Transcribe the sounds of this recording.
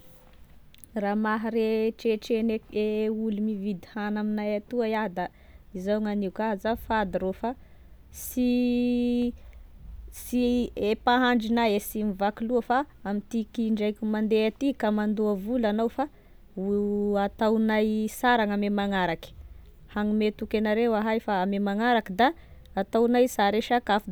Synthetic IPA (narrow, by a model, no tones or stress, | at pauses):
raːmaɦaɾeʈ͡ʂeʈ͡ʂeneeulumivid̪ihanaminajat̪uajad̪a | izawŋaniukazafad̪iɾofa | si | siepaɦaɳɖ͡ʐinajesimivakiluəfaːmit̪ikiɳɖ͡ʐajkʲumand̪eat̪ikamand̪uavulanawfa | uat̪awnajsaɾaŋamemaŋaɾaki̥ | haŋimet̪ukenaɾewaɦajfaːmemaŋaɾakəd̪aː | t̪awnajsaɾeʃakafd̪